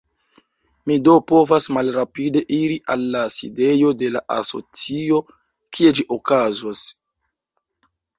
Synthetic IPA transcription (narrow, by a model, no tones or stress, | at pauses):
mido̞po̞vasmalɾapide̞ʔiɾiʔalːasḭde̞jo̞de̞laʔa̰so̞̰t͡sio̞ | kʰie̞d͡ʒiʔokazwas